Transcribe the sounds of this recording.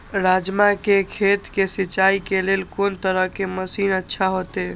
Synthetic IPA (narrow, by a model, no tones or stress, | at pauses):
ɾad͡ʒmakekʰet̪kesit͡ʃaikeleːlkoːnt̪əɾəɦkeməsiːnətːʃʰaɦot̪e